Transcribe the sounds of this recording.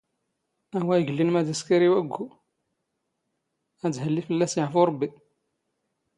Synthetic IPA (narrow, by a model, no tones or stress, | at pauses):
æɦwːæjɡəlːinmæd̪æskæɾiwæɡʷu | æd͡zhəlːifəlːæsjəʕfuɾˤɑbːi